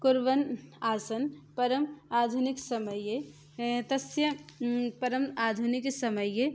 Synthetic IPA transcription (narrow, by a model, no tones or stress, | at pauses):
kuɾʋənasənpəɾəmad̪ʱuniksəməje | t̪əsjəpəɾəmad̪ʱuniksəməje